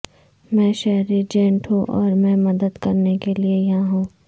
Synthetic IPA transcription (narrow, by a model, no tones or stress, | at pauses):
mɛ̃ːʃɛɦɾid͡ʒẽːɳʈɦũʔɔːɾmɛ̃ːmɐd̪əd̪kɐɾnekeliejɐɦãɦũː